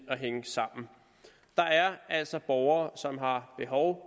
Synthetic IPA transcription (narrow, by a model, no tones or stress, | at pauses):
ɒ̽ɦeŋəsɑ̈m̰n̩ | d̥ɑ̈æɐæl̰sɒ̽b̥ɒʊɐːsɒ̽mɦɑ̈b̥e̝ɦɒʊ